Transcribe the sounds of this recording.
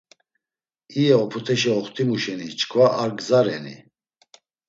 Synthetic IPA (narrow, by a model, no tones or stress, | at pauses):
iɛɔpʰut̪ʰɛʃiɔχt̪ʰimuʃɛnit͡ʃʰkʰvaʔaɾɡzaɾɛnḭ